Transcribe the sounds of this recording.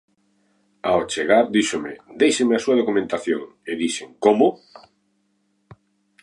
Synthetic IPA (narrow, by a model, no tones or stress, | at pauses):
aot͡ʃeɣaɾd̪iʃomɪd̪ejʃemeasuɐð̞okumẽnt̪aθjoŋ | ɪðiʃeŋkomʊ